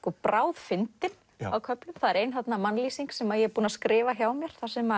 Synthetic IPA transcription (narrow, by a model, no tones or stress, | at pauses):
kɔpɾaːwðfɪnt̪ɪn | awkʰœplʏmθaðɛɾeːjnθat̪namanliːsiŋksɛmaðjɛpuːnaskɾɪːvaçaːwmjɛɾ̥θasɛma